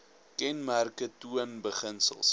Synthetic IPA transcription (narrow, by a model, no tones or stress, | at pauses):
kɛnmærkətuənbəχənsə̰lˠs